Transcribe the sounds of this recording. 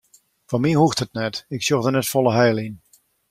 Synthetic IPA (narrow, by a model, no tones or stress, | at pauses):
fɔmihuxthət̚nɛtɪksjoxdənɛtfɔlˠəɦɛjlˠin